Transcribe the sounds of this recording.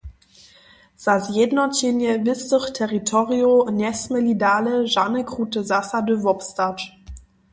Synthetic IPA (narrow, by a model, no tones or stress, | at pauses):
z̥azjednɔtenjəvɪstəχtʰɛʁitʰɔʁionɛsməlidaːləʒanəkʁutəzasadøvɔpstat